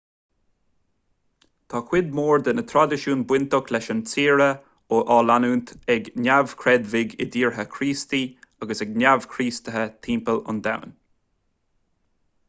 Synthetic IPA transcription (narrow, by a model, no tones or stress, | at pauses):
t̪ʰaːkʰwɪd̪̚moːɹd̪ənət̪ʰɾad̪ɪʃuːnbwɪnt̪ɔkʰlɛʃənt͡siːɹə | oʔaːlanuːnt̪ɛɡnavkʰɹɛd̪vɪɡɪd̪iːɹɦəkʰɾiːst̪iaɡəsɛɡnʲav̥kʰɾiːst̪əɦət̪ʰiːmpəlʊ̰nd̪a̰wn